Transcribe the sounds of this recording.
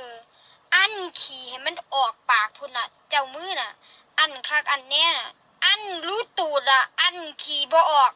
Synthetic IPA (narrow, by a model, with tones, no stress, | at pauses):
ʔa˧˥˨nkʰiː˨˩ha˨˩jma˧˥˨nʔɔː˨˩k̚paː˨˩k̚pʰu˧˨na˧ | t͡ɕa˧˩˨wmɯː˧˥˨na˧˩ | ʔa˧˩˨nkʰaː˧˩k̚ʔa˧˩nːɛː˧˥˨a˧˨ | ʔa˧˥˨nluː˧˥˨t̪uː˨˩ta˧˩ʔa˧˨nkʰiː˨bɔː˧ʔɔː˨˩k̚